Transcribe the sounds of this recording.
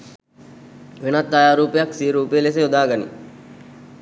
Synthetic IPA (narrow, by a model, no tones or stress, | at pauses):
ʋenat̪ːajaːɾuːpejaksiɾuːpejeles̬eod̪aːɡanḭ